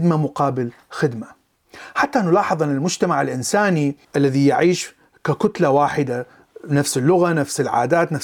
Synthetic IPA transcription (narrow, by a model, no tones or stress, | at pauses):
d̪mamʊqɑːbɪl | xɪd̪ma | ħat̪ːaʔnʊlɑːħɨðˤʔɪnːalmʊd͡ʒt̪amaʕɪlʔɪnsaːniʔalːaðijaʕiːʃ | kakʊt̪lawaːħɪd̪a | nafsɪlːʊɣanafsɪlʕa̰ːd̪aːt̪na